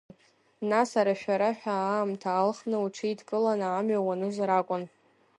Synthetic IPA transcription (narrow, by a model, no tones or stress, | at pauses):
nasaɾaʃᶣaɾaħᶣamtʰaːlχnɨuʈ͡ʂʰɨidkʼɨlanaːmɥawanɨzaɾakʷʼʊn